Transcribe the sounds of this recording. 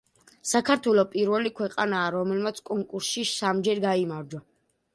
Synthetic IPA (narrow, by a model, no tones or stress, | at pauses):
sakʰaɾt̪ʰwɛlˠɔpʼiɾvɛlikʰwɛqʼanaːɾɔmɛlmat̪sʰkʼɔŋkʼuɾsʃisamd͡ʒɛɾɡaimaɾd͡ʒɔ